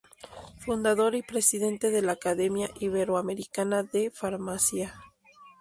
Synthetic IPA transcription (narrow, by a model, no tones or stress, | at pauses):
fund̪aðo̞ɾipɾe̞siðe̞nt̪e̞ðe̞laːkaðe̞mjaʔiβeɾoame̞ɾikanaðe̞faɾmasja